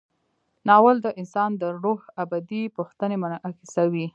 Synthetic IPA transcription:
nɑwəld̪əʔɪnsɑnd̪əɾohabad̪ipuxt̪ənemənʔaxisawi

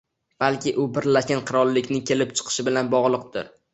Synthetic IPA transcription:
b̥alkʲɪʔʊbɪɾlaʃɡʲanqʰɨɾɒlˠːɪkʲnɪŋkʲʰe̞lɪp̚t͡ʃʰɨ̥qʰɨ̥ʃɪbɪlanbɒʁlˠɨq̚d̪ɪ̰ɾ

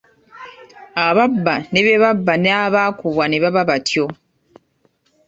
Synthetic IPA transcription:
aβabːane̞βeβabːaneaβaːkuβwaneβaβaβatʰjo̞

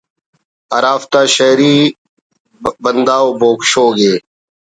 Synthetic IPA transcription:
əɾaːft̪aːʃəːɾiː | bənd̪aːoːboːkʃoːɡeː

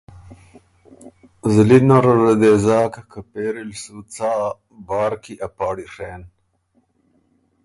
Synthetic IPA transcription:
zlinaɾɐɾɐd̪eːzɑːkkʰapeːɾilsut͡saː | bɑːɾkiʔapɑːɽiʂeːn

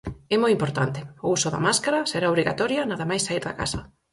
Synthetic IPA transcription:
ɛmojimpoɾt̪ant̪ɪʊusʊðɐ̰maskaɾɐseɾaoβɾiɣa̰t̪ɔɾjɐnaðɐmajsaiɾðɐ̰ka̰sɐ

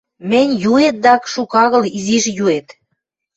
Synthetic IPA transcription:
mɘ̆nʲjuet̪̚d̪ɑkʃukɑɣɤ̆liziʃjuet̪

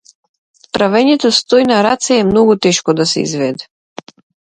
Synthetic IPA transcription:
t̪ɾavɛɲɛt̪ɔst̪ɔjnaɾat̪sɛɛmnɔɡut̪ɛʃkɔd̪asɛḭzvɛd̪ɛ̥

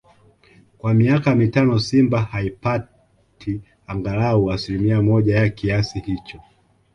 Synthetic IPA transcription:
kwamiakamitanɔsimbahaipa | tʰi | aŋɡalauasilimiamɔʄajakiasihit͡ʃɔ

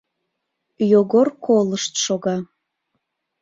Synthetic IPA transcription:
joɣorkʰolˠəʃt̪ʃoɣɑ

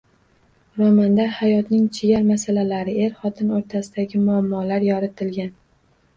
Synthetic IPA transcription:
ɾɒmand̪aɾhajɒt̪nɪŋt͡ʃʰɪjaɾmasalalaɾɪe̞ɾχɒt̪ʰɪnoɾt̪ʰasɪd̪aɡʲɪmʊamːɒlaɾjɒɾɪt̪ʰɪlɡʲan

